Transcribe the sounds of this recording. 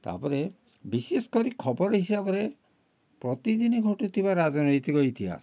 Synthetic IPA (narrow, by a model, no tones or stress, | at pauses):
t̪a̰pɔɾe | biseskɔɾikʰɔbɔɾɔɦisabɔɾe | pɾɔt̪id̪inɔɡʱoʈut̪ʰibaɾad͡ʒɔnɔjt̪ikɔjt̪ʰia̰